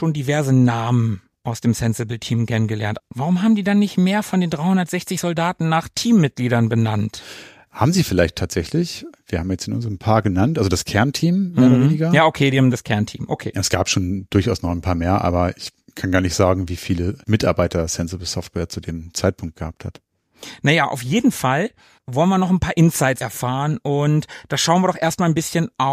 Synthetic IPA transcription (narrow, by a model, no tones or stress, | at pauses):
ʃoːndivɛɐzənaːmən | ʔaʊsd̥eːmsɛnsɪbl̩tʰiːmkʰɛnənɡəlɛɐntvaʁ̞ʊmhaːbm̩diːdanːɪçtmeːɐfɔndeːndʁaɪhʊndɐtz̥ɛçt͡sɪçz̥ɔldaːtn̩naːχtʰiːmːɪt̚ɡ̥liːdɐnbənant | haːbm̩ziːfɪlaɪçtʰaːtz̥ɛçlɪçviːɐhaːmjɛt͡stɪnʔʊ̰nzəʁəmpʰaːɐɡənantʔalzodaskʰɛɐntʰiːmmeeːɐɾɐveːnɪɡɐjaːʔokʰeːdiːhaːmdaskʰɛɐntʰḭːmʔokʰḛːsɡ̥aːpʃoːnd̥ʊɐçaʊsnɔχnpʰaːɐmeːɐʔa̰ːbɐɪç | kʰanɡaːɐnɪçtz̥aːɡŋ̩viːfiːləmɪta̰ɐbaɪtɐsɛnzobɪsɔftv̥ɛɐt͡sudeːmt͡saɪt̚pʰʊŋk̚t̚ɡ̥əhaːp̚that | najaːʔa̰ʊfjeːdn̩fal | vɔlənviːɐnɔχnpʰaːɐʔɪnsaɪtt͡sɛɐfaːʁənʊntd̥aʃaʊnviːɐdɔχʔeːɐstmaːlnbɪsçənʔa